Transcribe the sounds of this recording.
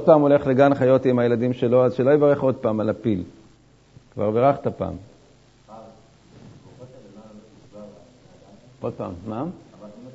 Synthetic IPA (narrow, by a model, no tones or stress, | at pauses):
od̚paːmole̞χleɡanχajo̞t̪imajeladimʃe̞lo̞azʃelo̞evaʁe̞χo̞d̪̚paːmalapil | kva̰ʁbeʁaχt̪apa̰ːm | ʔo̞d̪̚pa̰ːmːa